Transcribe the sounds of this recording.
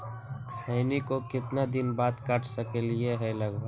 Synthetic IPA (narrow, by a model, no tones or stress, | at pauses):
kʰaɪnikokɪt̪nad̪ɪnbaːt̪kaːʈʰsəkelieɦɛlɐɡbəɡ